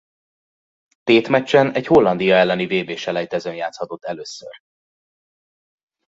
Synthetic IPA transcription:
t̪eːt̪mɛt͡ʃːɛnɛɟho̞lːɒnd̪ijɒɛlːɛniveːbeːʃɛlɛjt̪ɛzøːnjaːt̪shɒt̪o̞t̪ːɛløːsːø̰r

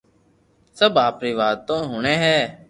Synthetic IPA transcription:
səbaːpɾiːʋaːt̪õːɦʊːɳẽːɦɛː

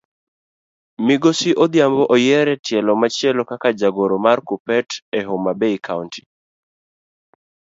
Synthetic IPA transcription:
mɪɡosiʔɔd̪jambɔʔɔjɛɾɛtʰjɛlɔmat͡ʃjɛlɔkakad͡ʒaɡoɾɔmarkupɛtɛɦomabeikʰaʊntʰi̥

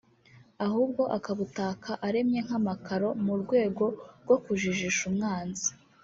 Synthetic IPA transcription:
ahuːb̚ɡo̞ʔakaβutaːkʰaʔaɾe̞mɲe̞ŋ̥amakʰaɾo̞muɾɡwe̞ːɡo̞ɾɡo̞kuʒiʒiʃumŋaːnzi̥

